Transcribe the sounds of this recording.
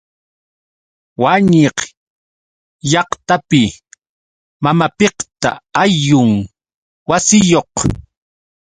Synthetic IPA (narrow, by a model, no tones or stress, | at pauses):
waɲeq | jɑqt̪apɪ | mamapeqt̪a̰ajʊŋ | wasɪjoq